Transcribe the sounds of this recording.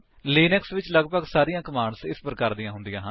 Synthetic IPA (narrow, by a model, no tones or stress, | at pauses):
liːnɪksʋɪt͡ʃləɡpəɡsaːɾijãːkəmaːɳsɪspəɾkəɾd̪ijãːɦʊnd̪ijãːɦ